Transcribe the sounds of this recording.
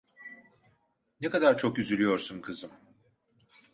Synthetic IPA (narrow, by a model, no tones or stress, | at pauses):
nekad̪aɾt͡ʃʰo̞kyzylʲyjo̞ɾsumkʰɯzɯm